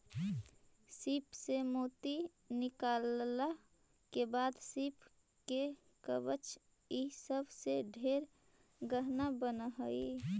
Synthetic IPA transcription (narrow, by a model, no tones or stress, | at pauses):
sipsemoːt̪i | nɪkaːlːa | kebaːd̪sipʰ | ke | kəbət͡ʃ | isəbʱseɖʱeɾ | ɡəɦnabənəɦəi